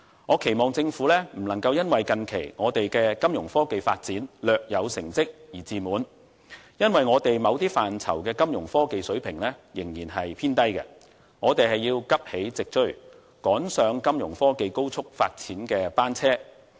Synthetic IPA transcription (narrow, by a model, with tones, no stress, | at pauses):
ŋɔː˨˧kʰe˨˩jmɔː˨˩ŋt͡sɪ˧ŋfu˨˥lɛː˥m̩˨˩lɐ˨˩ŋkɐ˧wjɐ˥nwɐ˨jkɐ˨˧nkʰe˨˩jŋɔː˨˧t̪e˨jkɛː˧kɐ˥mjʊ˨˩ŋfɔː˥ke˨jfa̰ː˧t̚t͡siː˨˥nlœː˨k̚jɐ˨˧wsɪ˨˩ŋt͡sɪ˥k̚jiː˨˩t͡siː˨muː˨˧n | jɐ˥nwɐ˨jŋɔː˨˧t̪e˨jmɐ˨˧wt̪iː˥faː˨nt͡sʰɐ̰˨˩wkɛː˧kɐ˥mjʊ˨˩ŋfɔː˥ke˨jsɵ˨˥ɥpʰɪ˨˩ŋlɛː˥jɪ˨˩ŋjiː˨˩nɦɐ˨jpʰiː˥nt̪ɐ˥jkɛ̰˧ | ŋɔː˨˧t̪e˨jhɐ˨jiː˧wkɐ˥p̚he˨˥jt͡sɪ˨k̚t͡ʃɵ˥ɥ | kɔː˨˥nsœː˨˧ŋkɐ˥mjʊ̰˨˩ŋfɔː˥ke˨jko˥wt͡sʰʊ˥k̚faː˧t̚t͡siː˨˥nkɛː˧paː˥nt͡sʰɛː˥